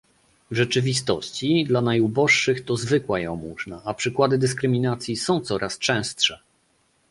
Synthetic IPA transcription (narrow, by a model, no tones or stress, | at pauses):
vʐɛt͡ʂɘvʲist̪ɔ̰ɕt͡ɕid̪lanajubɔʂːɘxt̪ɔzvɘkwajɛ̰̃muʐnaʔapʂɘkwad̪ɘd̪ɘs̬kɾɘmʲinat̪sʲjisɔ̃w̃t̪sɔɾʔast͡ʂɛ̃w̃stʂɛ